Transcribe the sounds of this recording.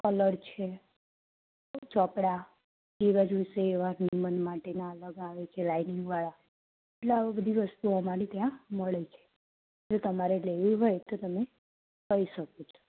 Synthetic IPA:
kələɾt͡ʃʰe | t͡ʃɔpɽa | keʋad͡ʒʋiʃeːʋanimənmaʈenaələɡaʋet͡ʃʰelainɪŋɡʋaɭa | eʈlabəd̪ʱiʋəst̪uəmaɾit̪jãməɭet͡ʃʰe̥ | d͡ʒot̪əmaɾeleʋiɦojt̪ot̪əme | kəiʃəkot͡ʃʰo̥

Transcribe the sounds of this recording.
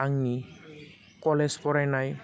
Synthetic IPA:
aŋni | kɔlespɔɾanaj

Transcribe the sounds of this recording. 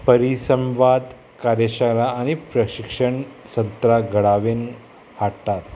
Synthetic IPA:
pəɾisəmʋad̪ | kaɾjeɕaɾaːñipɾəɕikʂəɳsənt̪ɾaɡʱəɽaʋen | haɽt̪at̪

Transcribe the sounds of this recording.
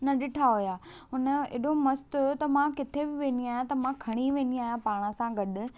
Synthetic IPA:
nɐɗɪʈʰaɦʊjaːʊnəɪ̰ɗomɐst̪ɦʊjot̪ɐmãkɪt̪ʰebɪʋẽːn̆d̪iaːɦjãt̪ɐmãkʰɐɽ̃iʋẽːn̆d̪iaːɦijãpaːɽ̃əsãɡɐɗʊ̆

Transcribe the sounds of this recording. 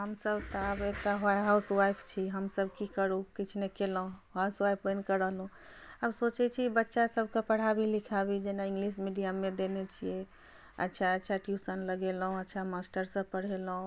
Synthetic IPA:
ɦəmsəbt̪ɔəbek̚ʈaɦaɦauswajpʰt͡ʃʰiɦəmsəbʱkikəɾukit͡ʃʰnekelɦũɦaswajpʰɾenkəɾəɦlɦũ | əbsot͡ʃɛt͡ʃʰibətːʃasəbʱkepəɽ̤abʱilikʰabid͡ʒenaĩŋɡlismiɖijamːed̪enet͡ʃʰijɛ | ə̰tːt͡ʃʰaətːt͡ʃʰaʈjusənləɡelɦũətːt͡ʃʰamasʈəɾsə̃pəɽ̤elɦũ

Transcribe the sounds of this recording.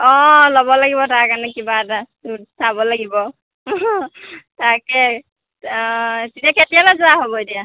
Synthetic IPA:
ɔlɔbɔlaɡibɔtakanɛkibada | usʰabɔlaɡibɔ | takɛ | titijakʰetijalazʊaɦobɔedija

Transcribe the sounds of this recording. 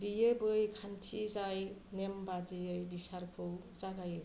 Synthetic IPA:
biebɯjkʰantʰizajnembadiɯjbisaɾkʰɯw | zaɡajɯ

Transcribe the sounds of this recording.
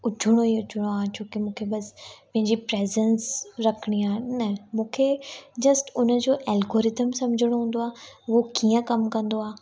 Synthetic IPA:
ʊt͡ɕʰʊɽ̃oiʊt͡ɕʰʊɽ̃oaːt͡ɕʰoːkimũːkʰebɐspɐ̃ɦɪ̃ɲd͡ʑipɾeːzɛ̃nsɾɐkʰɪɽ̃iaːɪnɐmũːkʰed͡ʑɐsʈʊnəd͡ʑoːʔɛːlɡoːɾɪt̪əmsɐmd͡ʑʱɪɽ̃oɦũːn̆d̪oaːʋokiːə̃kɐmkɐ̃nd̪oaː

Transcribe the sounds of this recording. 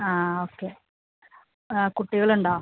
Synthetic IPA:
aːoːkːe | kuʈːiɣɐɭuɳɖaː

